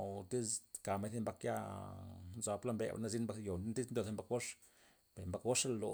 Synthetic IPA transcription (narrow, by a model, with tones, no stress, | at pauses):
o˨t̪i˦zka˨ma˦jθi˦mba˧kja̰˦˧ | nza˨pla˦mbḛ˨ba̰˨na˦zi˦nmba˦kjo˨˦nt̪i˦znd̪o˧˨ðe˧mba˦kɡo˦ʂ | be˨mba˦kɡo˦ʂa˦˨lo˨